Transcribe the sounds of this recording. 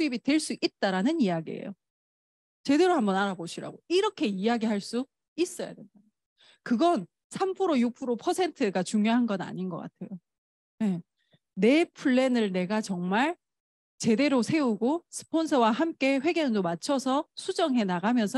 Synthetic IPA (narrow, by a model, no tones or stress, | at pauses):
sʰuibitwe̞ɭs͈uʔit̚t͈aɾanɯnijaɡiḛjo̰ | t͡ɕe̞de̞ɾohambʌnaɾaboɕʰiɾa̰ɡoiɾʌkʰe̞iaɡiɦaɭs͈u | is͈ʌja̰dwenda | kɯɡʌn | sʰampʰɯɾojupʰɯɾopʰʌsʰe̞ntʰɯɡat͡ɕuŋjoɦanɡʌna̰ɲinɡʌk͈a̰tʰe̞jo | ne̞ | ne̞pʰuɭːe̞nɯɭne̞ɡat͡ɕʌŋmaɭ | t͡ɕe̞de̞ɾosʰe̞uɡosʰɯ̥pʰonsʰʌwaɦamk͈e̞ɸwe̞ɡʌndomat͡ɕʰʌsʰʌsʰud͡ʑʌŋɦe̞naɡamjʌnsʰʌ